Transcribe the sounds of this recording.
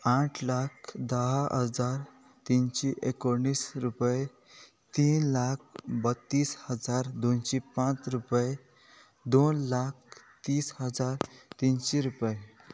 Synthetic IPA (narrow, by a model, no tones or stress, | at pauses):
ãʈʰlakʰd̪əɦaɦəd͡zaɾ | t̪inɕiʔekoɳːiːsɾupəje | t̪iːnlak̚ʰbət̪ːiːshəd͡zaɾd̪onɕipãt͡sɾupəje | d̪onlak̚ʰ | t̪iːshəd͡zaɾt̪inɕiɾupəje